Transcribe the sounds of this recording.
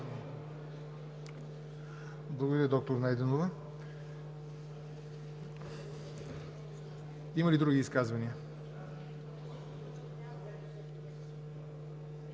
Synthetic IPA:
blˠɐɡod̪ɐɾəd̪ɔk̚t̪oɾnajd̪ɛnovə | imɐlid̪ɾuɡiːskazvɐniə

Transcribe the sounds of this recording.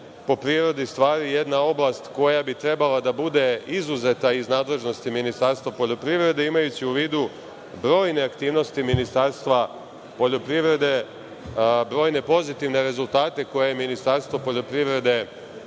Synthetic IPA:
po̞pɾiɾo̞d̪ist̪ʋaːɾijed̪nao̞blˠast̪ko̞jabit̪ɾe̞balad̪abud̪e̞izuze̞t̪aiznaːd̪le̞ʒno̞st̪iminist̪aɾst̪ʋapo̞ʎʲo̞pɾiʋɾe̞d̪e̞imajut͡ɕiuʋiːd̪u | bɾo̞ːjne̞akt̪iːʋno̞st̪iminist̪aːɾst̪ʋa | po̞ʎo̞pɾiʋɾe̞d̪e̞ | bɾo̞ːjne̞po̞zit̪iʋne̞ɾe̞zulˠt̪aːt̪e̞ko̞jeminist̪aɾst̪ʋo̞po̞ʎo̞pɾiʋɾe̞d̪e̞

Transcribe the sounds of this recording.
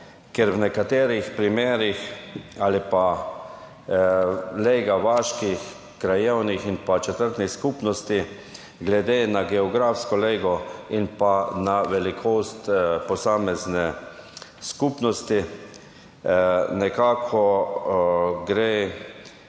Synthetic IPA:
kjɛɾwnɛkat̪eːɾixpɾimeːɾixaːlipa | lejɡaʋaːʃkix | kɾajɛwnixinpat͡ʃɛt̪əɾt̪niskupnɔst̪i | ɡlɛd̪eːnaɡɛɔɡɾafskɔleːɡɔinpanaʋɛlikʰoːst̪pɔsaːmɛznɛ | skupnɔst̪i | nɛkaːkʰɔ | ɡɾeː

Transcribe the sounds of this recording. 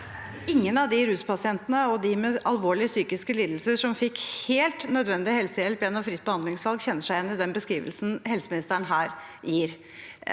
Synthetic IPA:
ɪŋːənɑʋd̪ɪɾʉːspʰɑsɪɛnt̪ənəɔd̪ɪmɛɑlʋoːɭɪəsyːkɪskəliːd̪l̩səʂɔmfɪkheːlt̪nœd̪ʋɛnd̪ɪhɛlsəjɛlpjɛnːɑʋfɾɪt̪̚ːbəhɑnd̪lɪŋsʋɑlɡçɛnːəʂæɪjɛnːɪd̪ɛnbəskɾiːʋə̰lsn̩hɛlsəmɪnɪst̪æɳɦæːɾjiːɾ

